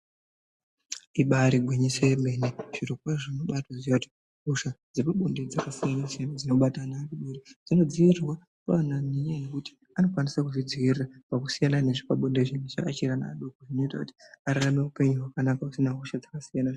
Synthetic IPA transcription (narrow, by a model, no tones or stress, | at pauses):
iɓaɾiɡʱweɲisemeneʐ̥iɾokwaʐinoɓatwaʐijati̥ | ɦuʃad͡zepuɓunded͡zakasijanasijanad͡zino̞ɓatanakiɓoɾed͡zino̞d͡ziirwa | kaananiɲenekuti̥ | ano̞kwanisakuʐid͡zirapakusijanane̞ʐikaɓondeʐinet͡ʃakat͡ʃirana̰ɗokoʐinoitakuti̥aɾarame̞upe̞ɲuɦwakanakakusinaɦuʃad͡zakasijana